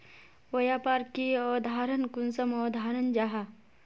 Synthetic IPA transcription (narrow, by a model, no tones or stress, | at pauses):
ʋɐjaːpaːɾkiɔːd̪ʱaːɾənkunsəmɔːd̪ʱaːɾɐnd͡ʒaɦa